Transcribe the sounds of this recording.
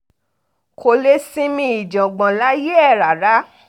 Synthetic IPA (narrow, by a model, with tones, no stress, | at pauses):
kʰo˧le˦sĩ˦mĩ˧˦i˨d͡ʒã˨ɡ͡bã˨la˦je˦ɛ˦˨ɾa˨ɾa˨˦